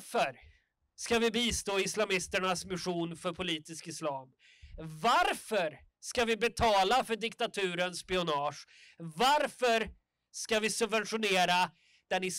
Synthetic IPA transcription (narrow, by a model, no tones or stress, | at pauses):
fœɾ | skavɪbiːst̪oːɪslamɪst̪əɳasmɪɧuːnfœɾpʰʊliːt̪ɪskɪslɑːm | vaɾfœɾ | skavɪbɛt̪ʰɑːlafœɖɪkt̪at̪ʰʉ̟ːɾənspɪʊnɑːʂ | vaɾfœɾ | skavɪsɵbvɛnɧʊneːɾa | d̪̥ɛnɪ